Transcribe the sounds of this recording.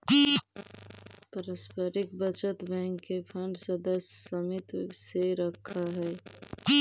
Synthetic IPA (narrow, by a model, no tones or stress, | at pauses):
pəɾəspəɾɪkbət͡ʃət̪bɛ̃ːŋkːepʰə̃ɳɖsəd̪əssəmɪt̪seɾəkʰːaɦɛː